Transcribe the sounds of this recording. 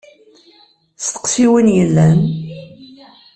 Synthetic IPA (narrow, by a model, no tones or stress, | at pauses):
st̪ə̥qsiwinjəlːæn